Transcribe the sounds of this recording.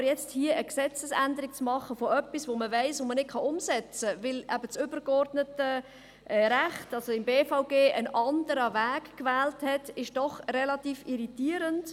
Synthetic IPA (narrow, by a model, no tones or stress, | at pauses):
əɾjɛt͡sthiəʔəksɛt͡səsændəɾik̚t͡smɑχːəfoœpːisʋoːməvæɪsomənɪt̚kχɑʊmsɛt͡səvɪlæbət͡sʏbəɾkɔrdnətə | ʔɾæχtɑlsoɪmbeːfaʊɡeːʔənɑndəɾəvæːkkvæːlthɛtɪʃd̥ɔχrɛlɑtiːfiɾitiːəɾənt